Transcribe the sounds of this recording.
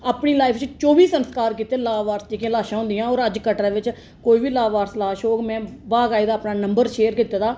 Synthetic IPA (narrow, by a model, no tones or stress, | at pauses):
aːpɳiːlaːɪpʰt͡ʃt͡ʃoːʋiːsənskaːɾkiːt̪eːlaːʋaːɾsd͡ʒeːkiãːlaːʃãːɦʊ̃nd̪ijãːɔːɾəd͡ʒkəʈaːʋɪt͡ʃ | koːiːʋiːlaːʋaːɾslaːʃoːɡmɛ̃ːbaːɡaːiːd̪aːəpnaːnəmbəɾʃeːɾkiːt̪aːd̪aː